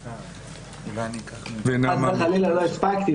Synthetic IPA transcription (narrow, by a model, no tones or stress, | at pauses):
venaazmaχalilalo̞ispakt̪i